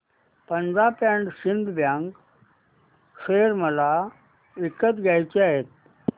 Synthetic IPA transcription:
pənd͡zapãɳɖɕind̪ʱbjãŋk | ʂeɾməla | ekət̪ɡʱjajt͡ɕeaɦet̪̚

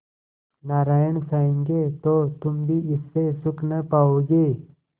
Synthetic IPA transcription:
naɾajəɳsaĩŋɡet̪ot̪umbʱiːʔisːesuknəpaoɡe

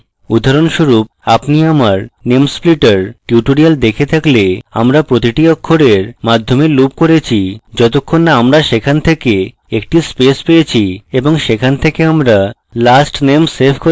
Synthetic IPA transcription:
ud̪ʱaɾonʃuɾup̚ | apniamaɾnemspliʈaɾʈjuʈoɾiald̪ekʰet̪ʰaklea̰mɾapɾot̪̬iʈiokʰːoɽeɾmad̪ʱːomelup̚koɾet͡ɕʰid͡ʑɔt̪okʰːonːaamɾaʃekʰant̪ʰeke | ek̚ʈispespeet͡ɕʰieboŋʃekʰant̪ʰekeamɾa | lasʈnemsepʰko

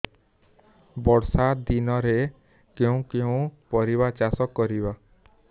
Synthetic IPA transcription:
bɔɽsat̪̚d̪inɔɾe | keũkeũpɔɾiβat͡ʃasɔkːɔɾiba

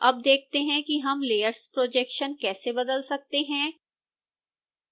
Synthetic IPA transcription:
ɐb̚d̪eːk̚ʰt̪eɦɛ̃kiɦɐmleːjəɾspɾoːd͡ʒɛːkʃənkɛːsebɐd̪əlsɐk̚t̪eɦɛ̃

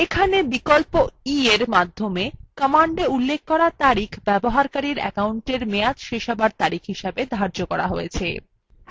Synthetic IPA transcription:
ekʰanebikolpoieɾmad̪ʱːomekəmaɳɖeulːek̚ʰkɔɾat̪aɾikʰbɛboɦaɾkaɾiɾɛ̰kauɳʈeɾmead͡ʑʃeʃabaɾt̪aɾikʰɦiʃabed̪ʱaɾd͡ʑokɔɾa̰ɦojet͡ɕʰe

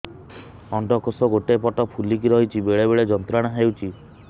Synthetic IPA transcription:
ɔɳɖɔkosɔɡoʈepɔʈɔpʰulikiɾɔɦit͡ʃʰibeɭeβeɭed͡ʒɔnt̪ɾaɽ̃ɔɦewt͡ʃʰi

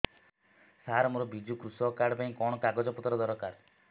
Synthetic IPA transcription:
saɾɔmɔɾɔbid͡ʒukɾusɔkaɽpaĩkɔɳ̃ɔkaɡɔd͡ʒɔpɔt̪ɾɔd̪ɔɾɔkaɾ

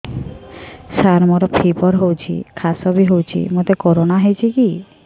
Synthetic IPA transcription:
saɾmɔɾɔpʰipɔɾɦowt͡ʃʰḭkʰasɔbiɦowt͡ʃʰḭmot̪ekɔɾonaɦejt͡ʃʰiki

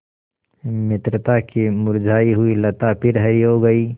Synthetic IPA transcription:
mɪt̪ɾət̪akimʊɾd͡ʒʱaːiɦʊilɐt̪apʰɪɾɦəɾiɦoɡəiː

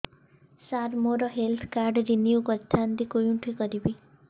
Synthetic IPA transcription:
saɾmoɾɔɦelt̪ʰkaɾɖɾinijukɔt̪ʰːand̪ikojuʈʰukɔɾibi

